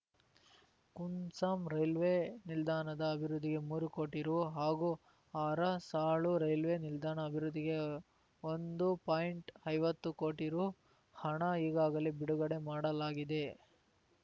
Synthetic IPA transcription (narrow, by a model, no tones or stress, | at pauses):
kunsaːmɾɐjlʋenild̪aːnɐd̪ɐːbʱiɾud̪ːiɡe̞muːɾuko̞ːʈiɾuɦaːɡu | aːɾɐsaːɭuɾɐjlʋenild̪aːɳɐːbʱiɾud̪ːiɡe̞ | ond̪upaːjiɳʈɐjʋɐt̪ːuko̞ːʈiɾu | hɐɳɐiːɡaːɡɐlebiɽuɡɐɽe̞maːɽɐlaːɡid̪e̞